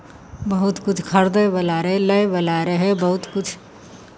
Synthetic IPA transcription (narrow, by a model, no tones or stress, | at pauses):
bəɦʊt̪kʊt͡ʃʰkʰəɾd̪ebəlaːɾɦɛləjbəlaːɾəɦɛbəɦʊt̪kʊt͡ʃʰ